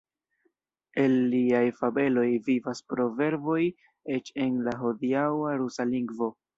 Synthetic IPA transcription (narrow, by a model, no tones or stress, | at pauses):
e̞lːiajfabe̞lo̞jvivaspɾo̞ve̞ɾvo̞j | et͡ʃe̞nlaɦo̞diawaɾusaliŋɡvo̞